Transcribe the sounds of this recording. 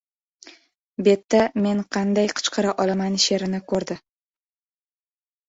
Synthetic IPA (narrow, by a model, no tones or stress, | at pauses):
be̞t̪ːame̞nqʰɑnd̪ajqʰɨ̥t͡ʃqʰɑɾaʔɒlamanʃe̞ɾɪnɪkʰɵɾd̪ɪ